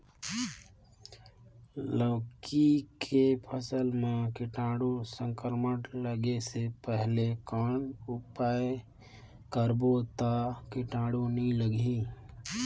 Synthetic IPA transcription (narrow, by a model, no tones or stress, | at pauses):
ləʋkʰikʰepʰəsəlmẽkɪʈaːɽosə̃ŋkəɾməʈləɡesepɛɦlekaːɳʊpaːje | kəɾbot̪akɪʈaːɽonĩləɡʱĩ